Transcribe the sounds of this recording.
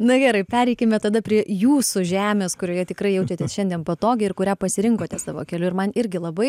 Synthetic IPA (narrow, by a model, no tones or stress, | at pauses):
nʊɡʲɛːɾɐɪpʲæːɾʲɛɪkʲemʲɛt̪ɐd̪ɐpʲɾʲiɛjuːsʊʒʲæːmʲeːskʊɾʲoːjɛt̪ʲɪkrɐɪjɛʊt͡ʃʲɛt̪ʲeːsʃʲɛnd̪ʲiɛnpɐt̪oːɡʲɪɪrkʊɾʲæːpɐsʲɪɾʲɪŋkoːt̪ʲɛsɑːʋo̰ːkʲɛlʲʊɪɾmɐnɪɾʲɡʲɪlˠɐbɐɪ